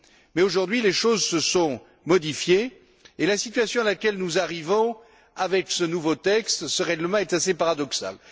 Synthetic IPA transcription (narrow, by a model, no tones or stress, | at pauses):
mɛoʒuʁd̪ɥileʃozsəsɔ̃ | mɔd̪ifjeː | lasit̪ɥasjɔ̃alakʲɛlnuzaʁivɔ̃ | avɛksənuvot̪ɛkst̪səʁɛɡləmɑ̃ɛt̪asepaʁad̪ɔksa̰l